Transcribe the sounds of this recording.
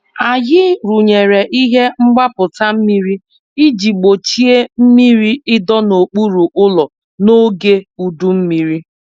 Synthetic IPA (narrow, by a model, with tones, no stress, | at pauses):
a˨jɪ˦ɾu˨ɲe˨ɾe˨ʔi˦ɦe˦ŋ͡m̩˦ɡ͡ba˦pʊ˨ta˦m̩˦mi˦ɾi˦ | i˦d͡ʒi˨ɡ͡bo˨t͡ʃi˦e˦m̩˦mi˦ɾi˦ɪ˦dɔ˦no˨k͡pu˦ɾu˨ʔʊ˦lɔ˨ | no˦ɡe˦u˦du˦m̩˦mi˦ɾi˦